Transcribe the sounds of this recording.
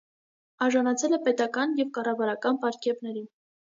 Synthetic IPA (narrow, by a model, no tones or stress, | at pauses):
ɑɾʒɑnɑt͡sʰɛlɛpɛt̪ɑkɑnjɛvkɑrɑvɑɾɑkɑnpɑɾkjɛpnɛɾin